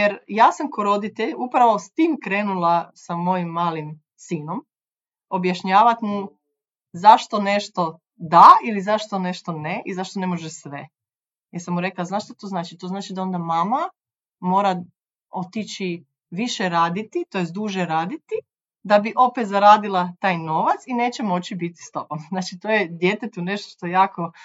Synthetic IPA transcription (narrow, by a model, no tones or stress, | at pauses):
jeɾjaːsamkoɾo̞d̪it̪eʎupɾaʋo̞st̪iːmkɾeːnulˠasamo̞jimːaːlim | siːnom | o̞bjaʃɲaːʋat̪mu | zaʃt̪o̞ne̞ʃt̪o̞ | d̪ailizaʃt̪o̞ne̞ʃt̪o̞neʔizaʃt̪o̞nemo̞ʒesʋe | jɛsamuɾe̞klaznaːʃt̪ot̪oznaːt͡ʃit̪oznaːt͡ʃid̪ao̞nd̪amaːma | mo̞ːɾa | o̞t̪it͡ɕi | ʋiʃeɾaːd̪it̪it̪o̞jes̚d̪uʒeɾaːd̪it̪i | d̪abiʔo̞pet̪zaɾaːd̪ilˠat̪aːjno̞ʋat̪sine̞ːt͡ɕemo̞t͡ɕibit̪i̥st̪o̞bomznaːt͡ʃit̪oːjed̪jet̪et̪uneʃt̪oʃt̪ojejaːko